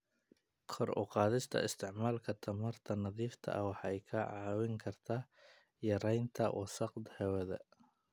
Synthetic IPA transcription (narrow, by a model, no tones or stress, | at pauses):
kʰɔrʔʊ̰qɑːðɪst̪ʰɐ̰ɪst̪ʰɪʕmaːlkʰɐt̪ʰɐmɐrt̪ʰɐnɐðiːft̪ʰɐ̰ʔɐwɑħɛjkʰɐʕɑːwɪŋkʰɐrt̪ʰaː | jɐɾɛjnt̪ʰɐwʔɔ̰sɑqd̪hɛwɛðɐ̰